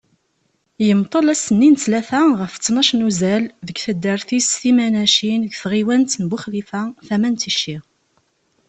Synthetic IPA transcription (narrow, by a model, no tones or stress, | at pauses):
jəmt̪ˤːəlæsənːint͡slæθæʁəft͡sːnɑʃnuzælðəɡθəd̪ːəɾθisθimænæʃinɡθʁiwænt̪nbʊχlifæθæmænt̪iʃːi